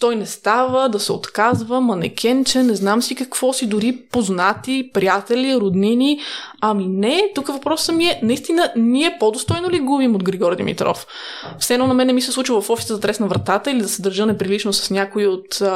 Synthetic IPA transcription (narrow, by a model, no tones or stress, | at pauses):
t̪ɔjnɛst̪avəd̪ɐsɛo̰t̪kazvəmɐnɛ̰kʲʰɛnt͡ʃɛnɛznamsikɐkv̥ɔsid̪ʊɾipoznat̪ipɾijat̪ɛliɾod̪niniɐminɛt̪ukəvɐpɾɔsːəmiɛnɐist̪inəniɛpod̪ost̪ɔjnoliɡubimod̪ɡɾiɡɔɾd̪ḭmḭt̪ɾɔ̰f | fsɛnɔnɐmɛnɛmisɛslˠut͡ʃvvɐfɔʃi̥t̪əzɐt̪ɾɛsnɐvɾɐt̪at̪əilid̪ɐsɛd̪əɾʒɤnɛpɾilit͡ʃnosɐ̥snʲakoiot̪